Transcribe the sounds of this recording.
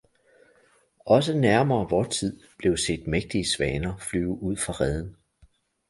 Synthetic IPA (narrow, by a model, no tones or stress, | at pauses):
ʔɒ̽s̬ənæɐmɐːʋɒːt͡sʰið̰ˠb̥le̝ʊse̝̰ːd̥meɡ̥̚d̥iəsʋɛːnɐflyːʊuð̞̰ˠfʁɑ̈ʁɛð̞ˠn̩